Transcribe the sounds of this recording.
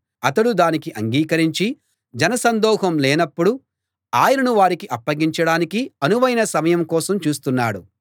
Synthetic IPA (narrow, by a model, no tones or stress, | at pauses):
ɐt̪ɐɽud̪aːnikiʔɐŋɡiːkɐɾiɲt͡ʃi | d͡ʒɐnɐsɐnd̪ɔːɦɐmlɛːnɐpːuɽu | aːjɐnɐnuʋaːɾikiʔɐpːɐɡiɲt͡ʃɐɽaːnikiɐnuʋɐjnɐsɐmɐjɐmkɔːsɐmt͡ʃuːst̪unːaːɽu